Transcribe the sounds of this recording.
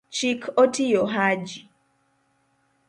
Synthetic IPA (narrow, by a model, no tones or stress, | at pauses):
t͡ʃikʰotijoɦad͡ʒi